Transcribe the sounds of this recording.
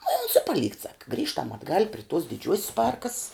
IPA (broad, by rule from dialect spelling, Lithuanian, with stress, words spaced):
nʊ ɪ oːns ɪ pɐˈlʲiːkt sɐk ˈɡrʲiːʃtɐm ɐdˈɡɐlʲ pʲrʲɪ tuɔs dʲɪˈd͡ʒʲuɔsʲs ˈpɐrkɐss